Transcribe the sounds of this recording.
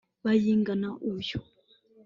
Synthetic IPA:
βajiŋɡanaʔujo̥

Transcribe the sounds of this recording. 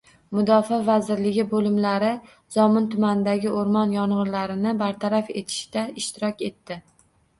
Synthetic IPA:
mʊd̪ɒfavazɪɾlɪɡʲɪbolɪmlaɾɪ | zɒmɪnt̪ʰʊmanɪd̪aɡʲɪʔoɾmɒnjɒɴʁɨɾlaɾɪnɪbaɾt̪ʰaɾafe̞̰t̪ʰɪ̥ʃt̪aɪʃt̪ɪɾɒkʲe̞t̪ːɪ

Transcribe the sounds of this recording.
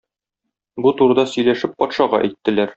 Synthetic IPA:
but̪uɾ̆d̪ɑsɵ̆jlæʃɘpːɒt̪ʃɑʁɑʔæ̰jt̪ːɘ̆læɾ

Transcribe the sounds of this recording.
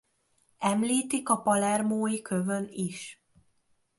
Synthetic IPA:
ɛmliːt̪ikɒpɒlɛrmoːjikøvøniʃ

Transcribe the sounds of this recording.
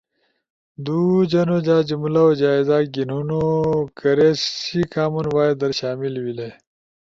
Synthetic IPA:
d̪uːd͡ʑɐnod͡ʑaːd͡ʑimulaod͡ʑaːizaːɡinunokɐɾesikaːmunwaːjed̪ɐɾɕaːmilwile

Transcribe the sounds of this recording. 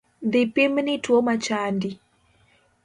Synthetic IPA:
ðipimnitwɔmat͡ʃandi

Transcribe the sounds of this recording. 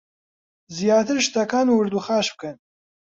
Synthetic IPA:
zijaːt̪ʰɨɾʃt̪ɐkaːnuwɨɾd̪uːxaːʃb̥̚kʰɨn

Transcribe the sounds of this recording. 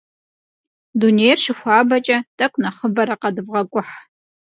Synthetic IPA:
dunejrʂɪxʷɑːbɐt͡ʃʼɐtʼɐkʷʼnɐχəbɐɾɐqɐdɨbʁɐkʷʼʊħ

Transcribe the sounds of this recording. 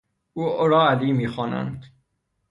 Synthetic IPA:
ʔuːoɾɒːæliːmiːxɒːnæ̰nd̪

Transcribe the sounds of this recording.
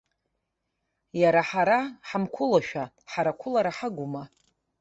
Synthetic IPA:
jaɾaħaɾaħamkʷʰʊlaʃᶣa | ħaɾakʷʰʊlaɾaħaɡʷʊma

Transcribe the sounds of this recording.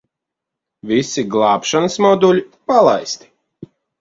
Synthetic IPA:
vʲisiɡlˠɑːpʃanɨsmɔd̪ulʲipalˠa̰jst̪i̥

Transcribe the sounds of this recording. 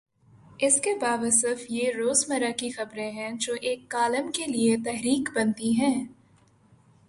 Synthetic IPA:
ɪskebaːʋəsəfjeɾoːzmɐɾakixɐbɾẽɦɛ̃d͡ʒoːʔeːkːaːləmkeliet̪ɛɦɾiːkbɐnt̪iɦɛ̃ː

